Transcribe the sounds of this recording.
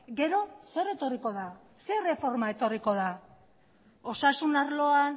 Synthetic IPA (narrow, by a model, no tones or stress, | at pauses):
ɡe̞ɾo̞se̞re̞t̪o̞riko̞ð̞a | sere̞fo̞ɾmae̞t̪o̞riko̞ða | o̞sasunaɾlo̞an